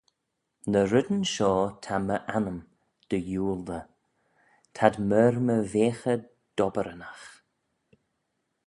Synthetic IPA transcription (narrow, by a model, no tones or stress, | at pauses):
nəɾɪd̪ənʃɔːt̪ʰaməʔanəm | d̪̥əjuːld̪ə | t̪ʰad̪mɛɾməveːxə | d̪̥ɔbəɾənax